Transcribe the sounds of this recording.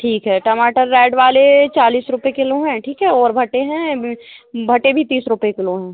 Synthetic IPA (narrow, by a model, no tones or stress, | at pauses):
ʈʰiːkɦɛːʈɐmaːʈəɾːɛːɖʋaːlet͡ʃaːliːsɾʊpekɪlõɦɛ̃ːʈʰiːkɦɛɔːɾbʱɐʈeɦɛ̃ | bʱɐʈebʱit̪iːsɾʊpekɪlõɦɛ̃ː